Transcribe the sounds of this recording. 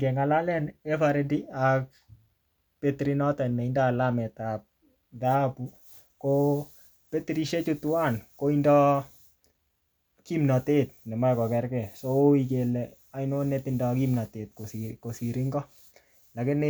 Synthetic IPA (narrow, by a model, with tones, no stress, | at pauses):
ɡɛ˨ŋa˨la˦lɛ˦nefaɾɛdi˦ak̚ | petɾinɔ˦tɛ˨nmɛ˨inda˦˨lamɛ˨tap̚ | ða˦pu˦ | ko | pe˦tɾi˨ʃe˦t͡ʃu˦tuwa˦nko˦indɔ˦ | kimna˨te˦t̚nɛ˨ma˦ɛkɔ˨kɛ˨ɾkɛ˨so˦o˦ike˨lɛ | a˨ino˦netɪndɔkimna˨te˨t̚ko˨siko˨si˨ɾi˦ŋɡɔ˦ | la˨kɪ˦nɪ